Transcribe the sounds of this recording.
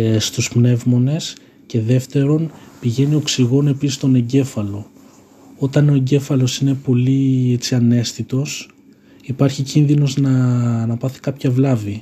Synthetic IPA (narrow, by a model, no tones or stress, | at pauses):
st̪uspne̞vmo̞ne̞s | ce̞ðe̞ft̪e̞ɾo̞npiʝe̞nio̞ksiɣo̞ne̞pisist̪o̞ne̞ɲɟe̞fɐlo̞ | o̞t̪ɐno̞e̞ɲɟe̞fɐlo̞sine̞po̞liet͡siɐne̞sθit̪o̞s | ipɐɾçicinðino̞znɐnɐpɐθi̥kɐpçɐvlɐvi